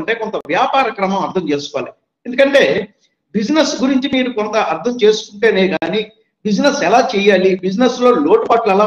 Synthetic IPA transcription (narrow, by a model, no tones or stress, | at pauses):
ɳʈe̞ːkont̪ɐʋjaːpaːɾɐkɾɐmɐmɐɾd̪ʰʱɐmt͡ʃe̞ːsu̥kɔʋa̰ːlḭ | end̪ukɐɳʈe̞ː | bid͡ʒnɐsɡuɾiɲt͡ʃimiːɾukont̪ɐɐɾd̪ʰʱɐmt͡ʃe̞ːsu̥kuɳʈe̞ːneːɡaːni | bid͡ʒinɐsɛlaːt͡ʃɛːjaːlibid͡ʒnɐslo̞ːlo̞ːʈupɐʈlɛlaː